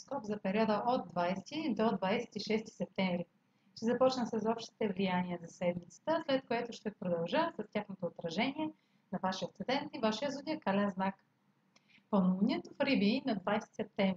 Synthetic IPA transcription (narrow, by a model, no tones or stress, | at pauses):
skɔpzɐpɛɾʲiɔd̪əʔod̪̚ːvajsɛt̪id̪od̪vajsɛ̥t̪iʃɛst̪i̥sɛp̚t̪ɛ̃ɱvɾi | ʃt̪ɛzɐpɔt͡ʃnəsɐzɔpʃt̪i̥t̪ɛvlijanʲiəzɐsɛd̪mit̪sə̥t̪əslɛt̪̚koɛt̪ʊʃt̪ɛpɾod̪ɐlˠʒəsɐstʲjaxnot̪oːt̪ɾɐʒɛniɛ | nɐvaʃiət̪ɛd̪ɛnt̪ivaʃiəzud̪ʲiəkalɛnznak | ponounʲiɛt̪ofɾibinɐd̪vajsɛt̪i̥sɛp̚t̪ɛɱvɾi